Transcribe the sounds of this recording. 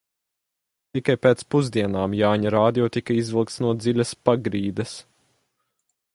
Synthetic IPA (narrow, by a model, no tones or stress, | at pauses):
t̪ikajpeːt̪spuzd̪iɛnaːmjaːɲaɾaːd̪ijɔt̪ikɐizvilˠkt̪snuɔd̪zilʲɐspaɡɾiːd̪ɐs